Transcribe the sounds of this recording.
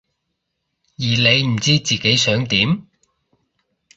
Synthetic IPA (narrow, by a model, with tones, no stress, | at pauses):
jiː˨˩le˨˧jm̩˨˩t͡siː˥t͡siː˨ke˨˥jsœː˨˥ŋt̪iː˨˥m